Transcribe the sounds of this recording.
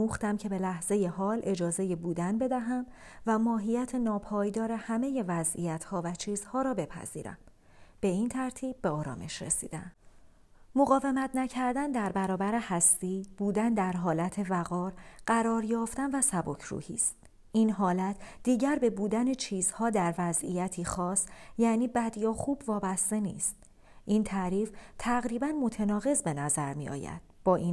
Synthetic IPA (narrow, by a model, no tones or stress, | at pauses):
muːxt̪æmcʰe̞be̞læhze̞je̞ɦɒːlʔe̞d͡ʒɒːze̞jebuːd̪ænbe̞d̪æɦæmvæmɒːɦijæt̪ʰenɒːpʰɒːjd̪ɒːɾe̞hæme̞je̞væzḭjæt̪ʰhɒːvæt͡ʃʰiːz̥hɒːɾɒːbe̞pʰæ̰z̥ḭːɾæ̰m | b̥e̞iːnt̪ʰæɾt̪ʰiːb̚ːe̞ɒːɾɒ̰ːme̞ʃɾḛsḭːd̪æ̰m | moɣɒːve̞mæt̪ʰnæcʰæɾd̪ænd̪æɾbæɾɒːbæɾehæst̪iːbuːd̪ænd̪æɾɦɒːlæt̪ʰe̞væɣɒːɾɢ̥æɾɒːɾjɒːft̪ænvæsæbo̞cʰɾṵːhḭːst̪̚ | ʔinɦɒːlæt̪ʰd̪̥iːɟæɾbe̞buːd̪ænet͡ʃʰiːz̥hɒːd̪æɾvæzijæt̪ʰiːxɒːsjæːniːbæd̪ijɒːxuːbvɒːbæst̪e̞nḭːst̪ | ʔiːnt̪ʰæɾiːft̪ʰæɣɾiːbænmo̞t̪ʰenɒːɣe̞zbe̞næzæɾmḭɒ̰ːjæ̰d̪̥̚b̥ɒːʔiːn